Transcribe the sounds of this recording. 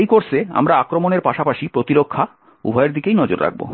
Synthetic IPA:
jkoɾsʰea̰mɾaakɾomoneɾpaʃapaʃipɾot̪iɾokʰːa | ṵbʱaeɾd̪ʱikejnɔd͡ʑo̰ɾɾa̰ɡ̚bo̰

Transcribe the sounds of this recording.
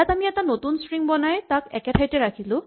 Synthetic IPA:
jatamiɛtanotunsɹiŋbɔnajtakɛkɛtʰajtɛɹakʰilʊ̃

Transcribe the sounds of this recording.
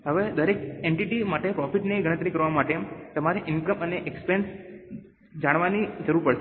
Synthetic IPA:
ɦəʋed̪əɾekeɳʈiʈimaʈepɾɔfiʈneɡəɽ̃ət̪ɾikəɾʋamaʈemt̪əmaɾeʔɪnkəməneʔekspens | d͡ʒaɽʋanid͡ʒəɾuɾpəɽʃ

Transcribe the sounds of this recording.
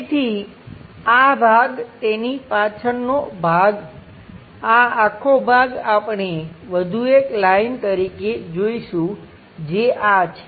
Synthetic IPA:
t̪ʰi | abʱaɡt̪enipat͡ʃʰənnobʱaɡ | aakʰːobʱaɡapɳeʋəd̪ʱueklaint̪əɾiked͡ʒoiʃũ | d͡ʒeʔat͡ʃʰe

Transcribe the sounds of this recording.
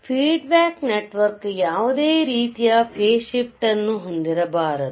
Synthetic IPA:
pʰiːɖbaːkneʈʋɐɾkjaːʋud̪eːɾiːt̪ijɐpʰeːʃip̚ʈɐnːuɦond̪iɾɐbaːɾɐd̪u

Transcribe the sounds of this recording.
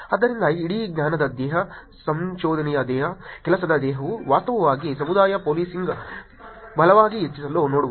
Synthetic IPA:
ɐd̪ːɐɾind̪ɐiɽiɡnʲaːnɐd̪ɐd̪jɛːɦɐ | sɐmʃoːd̪ɐnijɐd̪ɛːɦɐkɛlɐsɐd̪ɐd̪ɛːɦɐʋuʋaːst̪ɐʋɐʋaːɡis̬ɐmud̪aːjɐpoːliːsiŋɡɐ | bʱɐlɐʋaːɡiet͡ʃːisɐloːnoːɽuʋ

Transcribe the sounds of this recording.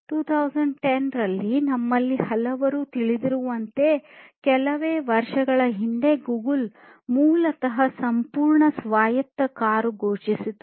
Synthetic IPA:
ʈuːt̪ʰɐwsɐɳɖ̚ʈenɾɐlːinɐmːɐlːihɐlɐʋɐɾuːt̪iɭid̪iɾuʋɐnt̪e̞kɛlɐʋeːʋɐɾʂɐɡɐɭɐɦiɳd̪e̞ɡuːɡul | muːlɐt̪ɐɦɐsɐmpuːɾɳɐsʋaːjɐt̪ːɐkaːɾuɡoːt͡ʃisid̪u

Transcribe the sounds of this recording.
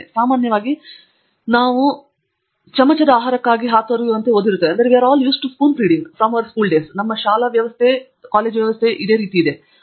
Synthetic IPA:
saːmaːnjɐʋaːɡi | naːʋu | t͡ʃɐmɐt͡ʃɐd̪ɐaːɦaːɾɐkːaːɡiɦaːt̪ʋɐɾjuɐnt̪eod̪ːiɾut̪ːeeɐnd̪ɐɾeʋiaːɾaːljuːsʈuskuːnpɾiːɖiŋɡfɾɐmɐʋɐɾskuːlɖeːsnɐmːɐʃaːlɐʋjɐʋɐst̪ʰe | kaːleːd͡ʒʋjɐʋɐst̪ʰeʔid̪eːɾiːt̪iːd̪e̞

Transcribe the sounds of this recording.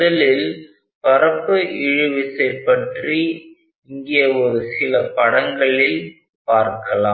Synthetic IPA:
ɐlɪl | pɐɾɐpːɯʔɪɻɯʋɪsɐɪpːɐʈri | ɪŋɡɪjɐɔɾɯsɪlɐpɐɽɐŋɡɐɭɪl | paːɾkɐlaː

